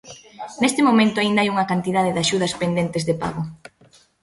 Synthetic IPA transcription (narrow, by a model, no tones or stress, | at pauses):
nest̪ɪmomẽnt̪ʊaind̪ajuŋɐkant̪iðaðeðaʃuð̞ɐspend̪ent̪ɪzðɪpa̰ɣʊ